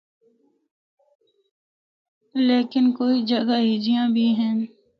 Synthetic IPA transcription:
leːkɪnkoːid͡ʒəɡaɦiːd͡ʒijãbʱiɦɛ̃ː

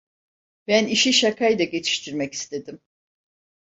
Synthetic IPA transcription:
bæniʃiʃakʰajd̪aɟe̞t͡ʃʰi̥ʃt̪ʰiɾmɛci̥st̪ʰe̞d̪im

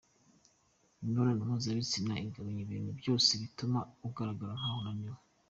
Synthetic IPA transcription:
noɾanumuzaβit͡sinaiŋɡaβaɲeβiːn̥hubjo̞ːseβitumauɡaɾaɡaɾanahonaɲɲuma

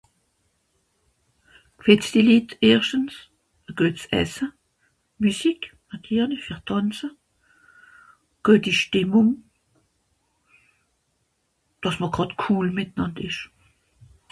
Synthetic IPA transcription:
kfɛt͡sd̥iliːteːʁʃtəns | əɡ̥œːtsʔɛ̰sə | mysikmɑtʰiːʁnɪfiːʁd̥ʰɑnt͡sə | ɡ̥œːtiʃtɪmʊŋ | d̥ɑsməɡ̥ʁɑtkʰuːlmɪtənɑndɪʃ

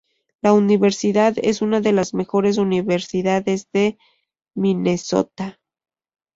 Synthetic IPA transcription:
launiβe̞ɾsiðaðe̞̰sunaðe̞lazme̞xo̞ɾe̞s̬uniβe̞ɾsiðaðezðe̞ | mine̞so̞̰t̪a

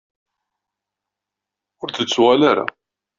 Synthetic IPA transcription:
ʊɾθət͡sːwalaɾa̰

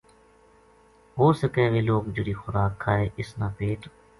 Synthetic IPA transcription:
ɦoːsəkeːʋeːloːkd͡ʒəɽiːxʊɾaːkʰːaːeːʔɪsnaːpeːʈ

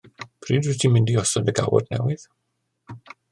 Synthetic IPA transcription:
pʰriːdwɛtʰimɪndiɔsɔndəɡa̰wɔ̰dnɛ̰wɪð̥

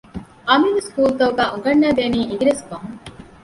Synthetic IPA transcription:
ʔɐmiʋeskuːt̪ɐuɡæːʔuɡɐɳːæːd̪eːniːʔiɡiɾeskɐɦuŋ

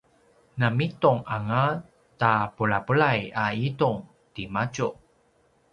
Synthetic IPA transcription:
namituŋaŋa | tapuɭapuɭajaituŋ | timat͡ɕu

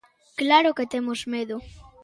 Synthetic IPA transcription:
klaɾoket̪emozmeðʊ

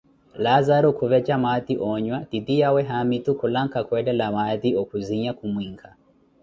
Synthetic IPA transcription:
lazaɾɔkuβɛd͡ʒamaðiʔɔɲwatidijawɛɦamitukulaŋ̩kakwɛdɛlamaðiɔkuziɲakumwiŋkʰa

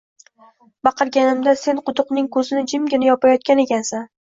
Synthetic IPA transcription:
bɑqɨɾɡʲanɪmd̪ase̞nqʊt̪ʊqnɪŋkʰɵzɪnɪd͡ʒɪmɡʲɪnɪjɒpajɒt̪̚kʲane̞kʲansan

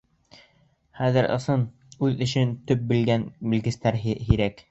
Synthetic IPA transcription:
χæðɘ̆ɾʔɤ̰̆sɤn | ʉðɵ̆ɕɘnt̪ɵp̚bɘ̆lɡænbɘ̆lɡɘ̆st̪æɾɦhiɾæk

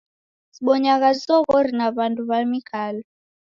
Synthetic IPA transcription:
siɓɔɲaɣazɔɣɔɾinaβanduβamikʰalɛ

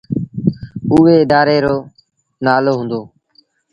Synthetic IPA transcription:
uːeːɪd̪aːɾeːɾoː | naːloːɦũːnd̪oː

